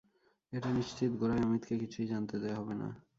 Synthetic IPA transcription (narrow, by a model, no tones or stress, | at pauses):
eʈaniʃt͡ɕit̪ɡoɾaamit̪kekit͡ɕʰujd͡ʑant̪ed̪eaɦɔbena̰